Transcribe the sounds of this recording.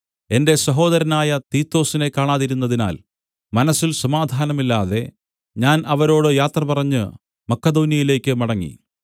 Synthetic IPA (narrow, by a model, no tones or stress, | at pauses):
e̞nde̞sɐɦo̞ːd̪ɐɾɐnaːjɐt̪iːt̪ːo̞ːsine̞kːaːɳaːðiɾunːɐðina̰ːl | mɐnɐsːilsɐmaːd̪ʱaːnɐmilːaːðe̞ | ɲaːnʔɐʋɐɾo̞ːɽɨjaːt̪rɐpɐrɐɲːɨ | mɐkːɐd̪oːnjɐjile̞ːkʲːɨmɐɽɐŋːḭ